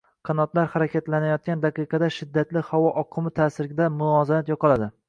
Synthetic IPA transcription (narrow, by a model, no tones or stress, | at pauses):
qʰɑnɒt̪laɾhaɾakʲat̪lanajɒt̪̚kʲand̪ɑqɨjqʰɑd̪aʃɪd̪ːat̪lɪhawɒʔɒqʰɨmɪt̪ʰasɪɾɡʲɪd̪amʊlˠɒzamat̪jɒqʰɑlad̪ɪ